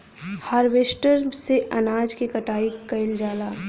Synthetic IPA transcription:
haːɾʋeːsʈəɾseʔɐnaːd͡ʒkekɐʈaːikɐɪld͡ʒaːlaː

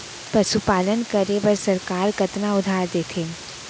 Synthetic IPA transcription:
pɐʃupaːlənkəɾeʋəɾsɐɾkaːɾɡɐt̪naʊd̪ʱaːɾd̪eːt̪ʰeːn

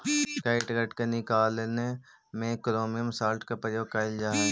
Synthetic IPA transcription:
kaɪʈɡəʈkenɪkaːlene | mẽkɾoːmijəmsaːlʈkapɾəjoːɡ̚kaːɪld͡ʒaːɦ

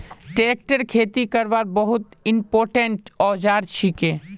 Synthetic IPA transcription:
ʈeːk̚ʈəɾkʰeːt̪ikəɾʋaːɾbəɦʊt̪ɪmpoːɾʈeɳʈɔːd͡ʒaːɾt͡ʃʰikẽː

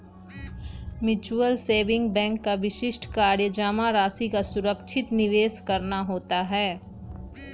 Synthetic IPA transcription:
mjʊt͡ʃuəlseːʋɪ̃ŋɡ̚bɛ̃ːŋkːaʋɪʃɪʃʈʰkaːɾjəd͡ʒaːmaɾaːsikasʊɾəkʃʰɪt̪nɪʋeːskɐɾnaɦoːt̪aɦɛː

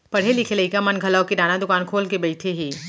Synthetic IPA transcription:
pɐɽ̤ɦelikʰeleikamɐnɡʱɐlaokidaːnad̪ʊkaːnkʰoːlkebɐɪt̪ʰeɦiː

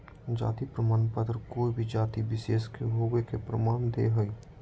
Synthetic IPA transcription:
d͡ʒa̰ːt̪ipɾəmaːnpət̪ɾəkoːibʱid͡ʒaːt̪ibɪʃeːskeɦoːɡekepɾəmaːnd̪ḛɦəi

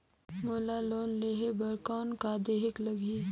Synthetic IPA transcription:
məlalonleɦebəɾkawnkad̪eɦekləɡʱiː

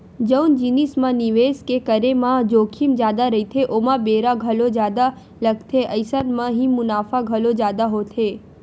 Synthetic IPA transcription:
d͡ʒəwnd͡ʒinismãniʋeskekəɾemãd͡ʒokʰimd͡ʒjad̪aɾəit̪ʰeʔomãbeɾaɡʱəlod͡ʒjad̪a | ləɡt̪ʰeʔəjsənmãɦĩmʊnafaɡʱəlod͡ʒjad̪aɦot̪ʰe

